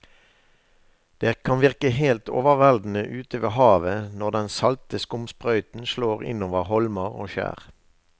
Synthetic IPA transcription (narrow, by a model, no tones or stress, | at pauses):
d̪̥eːkʰɑnʋɪʁkəɦeːlt̪ʰo̰ːʋəʁʋæld̪n̩əʔʉːt̪əʋeːɦɑːʋənɔʁd̪ɛnsɑlt̪əskʊmspʁœʏt̪n̩ʃloːʁɪ̰noːʋəʁɦɔlməʁo̰ːʃæ̰ːʁ